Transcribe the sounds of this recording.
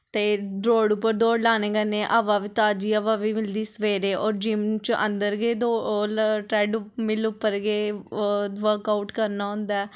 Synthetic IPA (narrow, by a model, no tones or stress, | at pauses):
t̪eːɖɾoːɽʊpːəɾd̪oːɽlaːnẽːɡənẽːʔaʋaːʋiːt̪aːd͡ʒiːəʋaːʋiːmɪld̪iːsəʋeːɾeːʔɔːɾd͡ʒimt͡ʃʔə̰̃nd̪əɾɡeːd̪olʈɾɛːɖʊmɪlʊpːəɾɡeː | ʋəɾkaːʊʈkəɾnaːɦʊ̃nd̪aɛ